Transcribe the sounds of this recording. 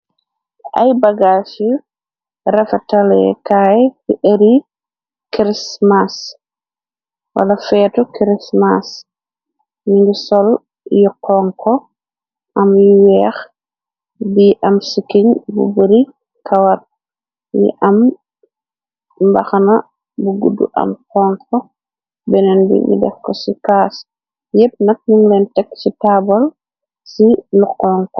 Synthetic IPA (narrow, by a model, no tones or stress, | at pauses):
ʔa̰jbaɡaːsju | ɾɛfatalɛ̰kaːjkiʔəɾi | kɾismas | wɐ̰lɐfɛːtukɾismas | jiŋɡisɔl | jɔkʰːɔŋkʰɔ | ʔɐmjiwɛːx | biʔamsikiɲbṵbəɾi | kawar | jḭʔam | baxana | buɡudːṵʔa̰mkɔŋkʰɔ | bɛnɛnbḭŋɡḭdɛ̰fkːɔsikaːs | jɛp̚nak̚nuŋlɛntɛkːsitabal | siluqːɔŋkɔ